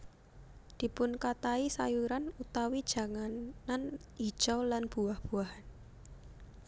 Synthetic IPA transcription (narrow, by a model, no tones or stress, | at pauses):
d̪̥i̤pʊnkat̪aisajuɾanut̪awid̥ʒ̥a̤ŋanani̥ʒ̥ɔlanb̥ṳahb̥uaɦan